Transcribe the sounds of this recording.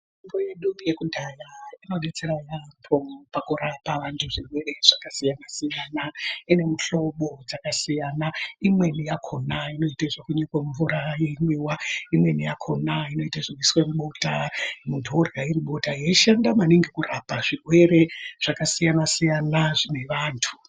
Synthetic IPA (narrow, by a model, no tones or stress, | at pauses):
imboje̞ɗujekudʱajainoɗe̞t͡se̞ɾajapʰopakuɾapaʋantʰuʐirwe̞re̞ʐ̥akasijanasijaːnaine̞muɬo̞ɓo̞d͡zakasijanaimwe̞nijakʰo̞naino̞itaiʐekuɲekweɱvuɾajeɲiwaimwe̞nijakʰo̞naino̞itaʐekwiswemuɓo̞tamundʰʱorɡairiɓo̞taɦijeʃandamaniŋɡekurapaʐirwe̞ɾe̞ʐ̥akasijanasijanaʐine̞ʋaːntʰu